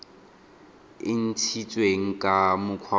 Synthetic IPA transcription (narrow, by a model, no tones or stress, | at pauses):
ɪn̩t͡sʰit͡sʼweŋ̩kʼamʊkʰwa